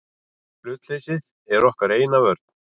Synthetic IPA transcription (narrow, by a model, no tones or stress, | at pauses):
flʏːt̪l̥ejsɪð | ɛɾɔhkaɾeːjnavœɾt̪̚n